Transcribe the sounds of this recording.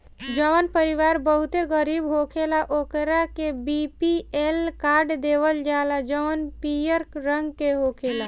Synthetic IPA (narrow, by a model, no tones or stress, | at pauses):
d͡ʒəʋənpəɾiʋaːɾbəɦut̪eɡəɾiːbɦokʰelaʔoːkɾakebipielkaːɾɖd̪eːʋəld͡ʒaːlad͡ʒəʋənpijəɾɾə̃ŋɡkeɦokʰeːla